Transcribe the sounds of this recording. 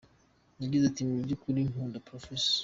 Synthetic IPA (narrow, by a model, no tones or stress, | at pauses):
ɲaɡizatimibɟukuɾinoːndapɾofes